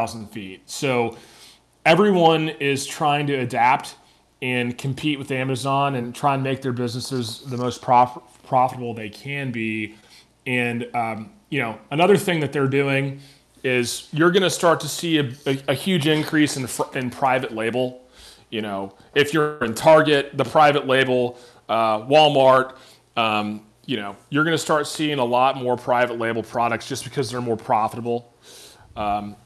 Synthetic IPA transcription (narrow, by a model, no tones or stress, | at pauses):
ʊzn̩d̥fit̚soʊ | ɛvɹiwʌ̃nɪz̥tʰɹ̥aɪɪ̃ŋtʰɨːdæp̚t | ɨ̃nkʰm̩pʰiʔ̚wɨðæmɨzɑ̃nɨ̃ntʰɹ̥aɪɨ̃nmeɪk̚ðə˞bɪznɨsɪzðɨmoʊspʰɹ̥ɑf | pʰɹ̥ɑfəɾəbl̩ˠðeɪkʰɨ̃nbi | ɨ̃nʌ | jɨnoʊənʌðə˞θɪ̃ŋðɨt̪̚ðə˞dʉɪ̃ŋ | ɪzjə˞ɡʌnɨstɑɹtʰɨsiɨɨɨhjʉd͡ʒɪ̃nkʰɹ̥isɨ̃nfɨ̃npʰɹ̥aɪvɨtˡleɪbl̩ˠ | jɨñoʊ | ɪfjəɨ̃ntʰɑɹɡɨt̪̚ðəpʰɹ̥aɪvɨtˡleɪbl̩ˠ | ʌwɔlˠmɑɹk̚ | ʌ̃m | jɨñoʊjə˞ɡʌnɨstɑɹtsiɪ̃ŋəlɔt̚mɔɹpʰɹ̥aɪvətˡleɪbl̩ˠpʰɹ̥ɑɾɨk̚tsd̥ʒ̥ʌsb̥ɨkʰʌzðə˞mɔɹpʰɹ̥ɑfəɾəbl̩ˠ | ʌ̃m